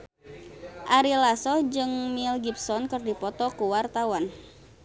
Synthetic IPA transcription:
ʔaɾilasɔd͡ʒɨŋmilɡip̚sɔnkɨrdipɔt̪ɔkuwart̪awan

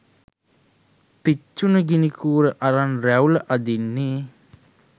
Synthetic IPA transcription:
pit͡ʃːunəɡinikʰuːɾəʔaɾanɾæwləʔad̪inːi

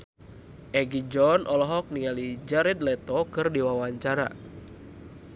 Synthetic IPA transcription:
ʔɛɡid͡ʒɔnʔɔlɔɦɔk̚niŋalid͡ʒaɾɛd̪lɛt̪ɔkɨrdiwawaɲt͡ʃaɾa̰

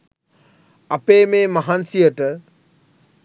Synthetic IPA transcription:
apeːmeːmaɦansijəʈə

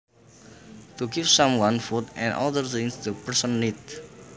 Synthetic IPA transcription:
t̪uɡifsãmwãnfut̪ɛ̰̃nɔ̰d̪ərt̪ĩŋsd̪əpəɹsə̃nːit̚

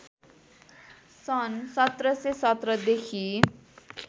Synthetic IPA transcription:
sʌnsʌt̪rʌsesʌt̪ɾʌd̪ekʰi

